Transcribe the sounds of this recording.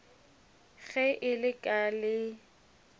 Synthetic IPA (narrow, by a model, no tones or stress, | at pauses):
ɣɛʔɪlɪkʼalɪ